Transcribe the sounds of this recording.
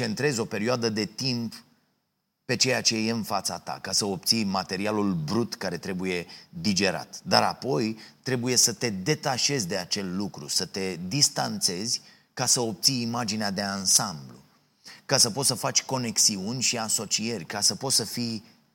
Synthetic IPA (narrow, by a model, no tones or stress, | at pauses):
t͡ʃe̞nt̪ɾe̞zʲo̞pe̞ɾioad̪əd̪e̞t̪imp | pe̞t͡ʃe̞jat͡ʃe̞je̞ɨnfat̪sat̪a̰kasəop̚t̪sijmat̪e̞ɾialulbɾut̪kaɾe̞t̪ɾe̞buje̞d̪id͡ʒe̞ɾa̰t̪d̪aɾapo̞jt̪ɾe̞buje̞sət̪e̞d̪e̞t̪aʃe̞zʲd̪e̞at͡ʃe̞lːukɾṵsət̪e̞d̪ist̪ant̪se̞zʲ | kasəop̚t̪sijːmad͡ʒinead̪e̞ansamblṵ | kasəpot̪səfat͡ʃʲko̞ne̞ksiunʲʃiaso̞t͡ʃie̞rʲkasəpo̞t̪səfij